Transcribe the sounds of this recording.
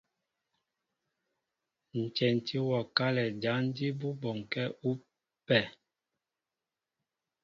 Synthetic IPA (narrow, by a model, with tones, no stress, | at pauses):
n̩˨t͡ʃɛ˨n˨tʰi˦wɔ˨ka˦lɛ˨d͡ʒa˨˦n˦di˦bu˦bɔ˨ŋ˨kɛ˦u˦ | pɛ˦˨